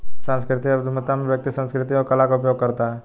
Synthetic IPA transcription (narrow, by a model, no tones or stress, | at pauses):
sãːnskɾɪt̪iɐd̪ʱumət̪amẽʋjək̚t̪isə̃nskɾɪt̪iɔɾkɐlakaʊpjoɡ̚kəɾt̪aɦɛː